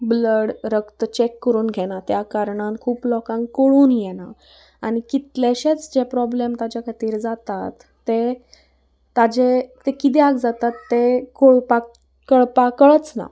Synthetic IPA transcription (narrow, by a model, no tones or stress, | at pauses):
bləɽɾəkt̪ət͡ɕekːəɾuːnɡʱɛnat̪jakaɾɳãnkʰuːplɔkãŋɡkəɭuːnjɛna | aɽ̃ikit̪leɕet͡sd͡ʑepɾɔblemt̪ad͡ʑjakʰat̪iːɾd͡zat̪at̪ːe | t̪ad͡ʑet̪ekit̪̬iaɡd͡zat̪at̪ːekoɭpa | kəɭpakəɭət͡sna̰